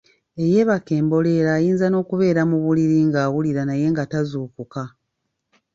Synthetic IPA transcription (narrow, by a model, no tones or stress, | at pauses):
e̞je̞βake̞ːmbo̞le̞ːɾaːjiːnzano̞ːkuβe̞ːɾamuβuliɾiŋɡaːwuliɾanaje̞ːŋɡatazuːkuka